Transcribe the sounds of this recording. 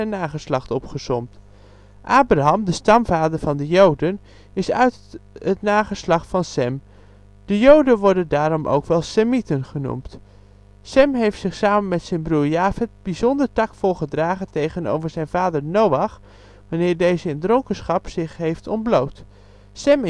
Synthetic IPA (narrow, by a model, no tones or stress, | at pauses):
ɛnːaːχəslɑχtɔpχəsɔmt | ʔaːbraɦɑmdəstɑmvaːdəɹvɑndəjowdən | ɪsœɥtɦətnaːχəslɑχtfɑnsɛm | d̥əjowdənʋɔɹdəndaːɾɔmʔo̰wkʋɛlˠsɛmitənχənṵmt | sɛmɦejftsɪχsaːmənmɛtsɛjnbruːɹjaːvɪt̚bizɔndəɹtɑkfʊːɹχədraːχəntejχəno̰wvəɹzɛjnvaːdəɹnowɑχ | ʋanɪːɹdejzəɪndrɔŋkənsχɑpsɪχɦejftɔnblowt | sɛm